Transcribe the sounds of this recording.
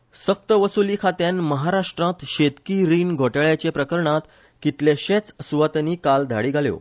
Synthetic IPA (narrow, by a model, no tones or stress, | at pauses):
sək̚t̪əʋəsuliːkʰat̪ẽnməɦaɾaʂʈɾãt̪ɕet̪kiɾiːnɡʱoʈəɭjat͡ɕepɾəkəɾɳãt̪ | kit̪ljeɕet͡səsuʋat̪nikald̪ʱa̰ɽiːɡʱaljo̰